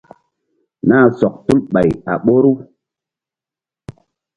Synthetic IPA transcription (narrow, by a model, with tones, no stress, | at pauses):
naː˦˨sɔ˨k̚tu˦lɓa˨ja̰˨ɓo˦ɾu˦